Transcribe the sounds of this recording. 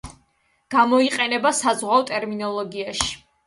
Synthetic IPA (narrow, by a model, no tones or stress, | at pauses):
ɡ̥amɔiqʼɛnɛbasazʁwawt̪ʼɛɾminɔlˠɔɡiaʃi̥